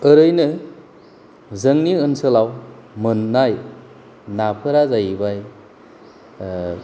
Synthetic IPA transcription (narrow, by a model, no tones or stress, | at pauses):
ɯɾɯjnɯ | zɯŋniɯnsɯlaw | mɯnːaj | napʰɯɾazajbaj